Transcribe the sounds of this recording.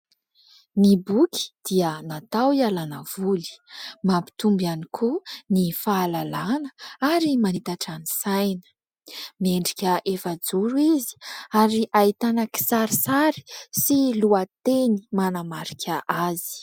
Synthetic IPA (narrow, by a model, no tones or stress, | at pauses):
nibuki̥d̪̥iənat̪awialanəv̥uli̥mapi̥t̪umbianikʰunifaːlalanəaɾimanit̪aʈ͡ʂanisajnə̥ | meɳɖ͡ʐikʲəʔefad͡zuɾuizi̥aɾiʔait̪anəki̥saɾisaɾi̥siluat̪enimanamaɾikʲʰəʔazi̥